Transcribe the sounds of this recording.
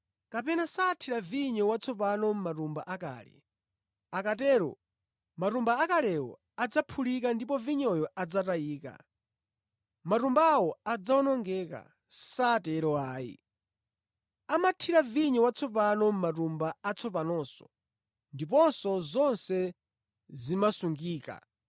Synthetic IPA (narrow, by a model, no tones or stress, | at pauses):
kapɛnasaːtʰiɾaviɲɔwat͡sʰɔpanɔm̩matumba̰ʔaka̰ːlɛ̰ | akatɛːɾɔ̰ | matumbaːkalɛwɔ̰ | ad͡zapʰulik̬andipɔviɲɔjɔad͡zatajiːka̰ | matumbawɔad͡zaɔnɔŋɡɛka̰ | satɛɾɔaːḭ | amatʰiɾaviɲɔwat͡sʰɔp̬anɔm̩mat̬umbaat͡sʰɔp̬anɔːsɔ̰ | ndip̬ɔnsɔzɔnsɛ | zimasuŋɡiːka̰